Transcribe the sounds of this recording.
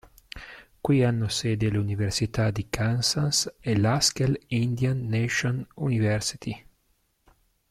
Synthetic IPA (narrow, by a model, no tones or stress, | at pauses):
kwianːoseːd̪eluniversit̪ad̪ikansanselaskelind̪janːeʃonunivɛɾsi̥t̪i